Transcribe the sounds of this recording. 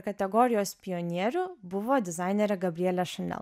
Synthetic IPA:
kɐt̪ʲɛɡɔːɾʲɪjoːspʲɪjɔnʲiɛɾʲubʊʋoːd̪ʲɪzɑˑɪnʲɛɾʲɛɡɐbʲɾʲɪɛlʲɛʃɐnʲɛ̰lˠ

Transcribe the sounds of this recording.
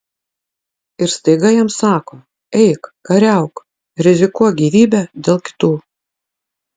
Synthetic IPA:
ɪɾst̪ɐɪɡɐjɛmsɑːkoː | ɛɪkkɐɾʲæˑʊk | ɾʲɪzʲɪkuɔjɡʲiːʋʲiːbʲɛd̪ʲeːlˠkʲɪ̥t̪uː

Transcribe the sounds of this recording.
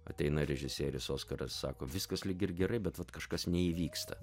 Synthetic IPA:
ɐ̰t̪ʲɛɪnɐɾʲɛʒʲɪsʲeːɾʲɪsoːskɐɾɐssɑ̰ːkoːʋʲɪskɐslʲɪɡʲɪɾɡʲɛɾɐɪbʲɛt̪ʋɐt̪kɐʃkɐsnʲɛiːʋʲiːkst̪ɐ̰

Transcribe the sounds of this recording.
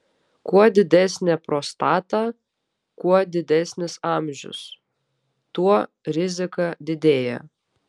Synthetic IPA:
kuɔd̪ʲɪd̪ʲæsʲnʲɛpɾoːst̪ɑːt̪ɑ | kuɔd̪ʲɪd̪ʲɛˑsʲnʲɪsɑˑmʲʒʲʊ̰s | t̪uɔ | ɾʲɪzʲɪkɑd̪ʲɪd̪ʲeːjɛ̰

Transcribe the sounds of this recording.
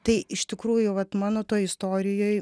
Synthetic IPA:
t̪ɐɪɪʃt̪ʲɪkɾuːjʊʋɐt̪mɑːnoːt̪oːjɪst̪oːɾʲɪjoːj

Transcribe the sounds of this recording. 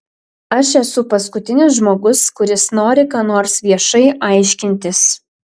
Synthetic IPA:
ɐʃɛsʊpɐskʊt̪ʲɪnʲʊs̬ʒmoːɡʊskʊɾʲɪsnoːɾʲɪkɑːnoːɾsʋʲiɛʃɐɪʔɑˑɪʃʲkʲɪnʲt̪ʲɪs

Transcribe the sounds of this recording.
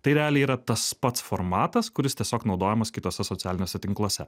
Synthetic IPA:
t̪ɐɪɾʲaːlʲɛiːɾɐt̪ɐspɐt̪sfoɾmɑːt̪ɐskʊɾʲɪst̪ʲiɛsʲoːknɒʊd̪oːjɛmɐskʲɪt̪oːsʲɛsɔt̪ʲæːlʲɪnʲoːsʲɛt̪ʲɪŋklˠoːsʲɛ

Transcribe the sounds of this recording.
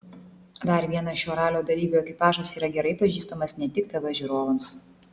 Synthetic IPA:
d̪ɐɾʋʲiɛnɐʃʲoːɾɑːlʲoːd̪ɐlʲiːbʲuɛkʲɪpɑːʒɐsiːɾɐɡʲɛɾɐɪpɐʒʲiːst̪ɐmɐsnʲɛt̪ʲɪkt̪ɐʋɐʒʲuɾoːʋɐms

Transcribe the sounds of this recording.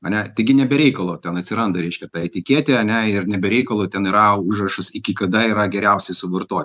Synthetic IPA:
ɐnʲɛt̪ɪɡʲɪnʲɛbʲɛɾʲɛɪkɐlˠoːt̪ʲɛnɐt̪ʲsʲɪɾɐnd̪ɐɾʲɛɪʃʲkʲɛt̪ɑɛt̪ʲɪkʲiɛt̪ʲeːɐnʲæɪrnʲɛbʲɛɾʲɛɪkɐlˠoːt̪ʲɛnɪɾɐʊʒrɐʃɐsɪkʲɪkɐd̪ɐɪɾɐɡʲɛɾʲɛʊsʲɛɪsʊʋɐrt̪oɔt̪ʲ

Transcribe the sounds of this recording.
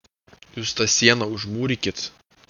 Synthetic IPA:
juːst̪ɑsʲiɛnɐʊʒmuːɾʲɪkʲɪt̪

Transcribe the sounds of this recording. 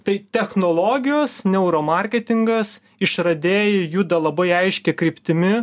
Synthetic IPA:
t̪ɐɪt̪ʲɛxnoːlˠoːɡʲɪjoːsnʲɛʊɾoːmɐɾʲkʲɛt̪ʲɪŋɡɐs | ɪʃɾɐd̪ʲeːjɪjuːd̪ɐlˠɐbɐɪɐɪʃʲkʲɛkɾʲɪpʲt̪ʲɪmʲɪ

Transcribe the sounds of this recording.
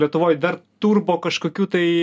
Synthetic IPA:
lʲiɛt̪ʊʋoːjd̪ɐrt̪uːrboːkɐʃkoːkʲuːt̪ɐɪ

